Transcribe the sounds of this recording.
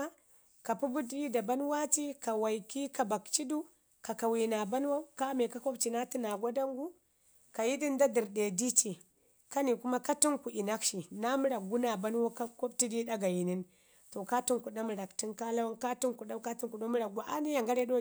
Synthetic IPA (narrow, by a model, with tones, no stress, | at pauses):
ka˨pu˦bu˦dda˨ba˦nwa˦t͡ʃi˦ka˨wa˨jki˦ka˨ba˨kt͡ʃi˦du˦ | ka˨ka˨wi˨na˨ba˦nwo˦ka˦me˨ka˦ko˦bt͡ʃi˨na˦ti˦na˨ɡʷa˦da˦ŋɡu˦ | ka˨ji˦di˦nda˦di˨ɾde˨di˦t͡ʃi˨ | ka˦ni˨ku˦ma˦ka˦ti˦ŋku˨ʔi˨na˦kʃi˨na˦mi˦ɾa˨k̚ɡu˦na˨ba˦n˦wo˦ka˦ko˦bti˦di˦ɗa˦ɡa˨ji˨ni˦n | to˨ka˦ti˦ŋku˨ɗa˦mi˨ɾa˨kti˦nka˦la˦wka˦ti˦nku˨ɗa˦ka˦ti˦ŋku˨ɗo˦mi˦ɾa˨ɡʷa˨ʔa˦ni˦ja˨ŋɡa˦ɾe˦do˦